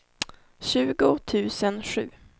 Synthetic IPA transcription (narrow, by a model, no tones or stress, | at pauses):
ɕʉ̟ːɡʊt̪ʰʉ̟ːsənɧʉ̟̰ː